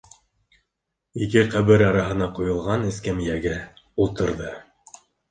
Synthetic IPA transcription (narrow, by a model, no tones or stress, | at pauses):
ikɘqæβɘɾɑɾɑɦɤ̆nɑqujɤ̆lˠʁɑnɘ̆skæmijæɡɘ | ulˠt̪ɤ̆ɾðɤ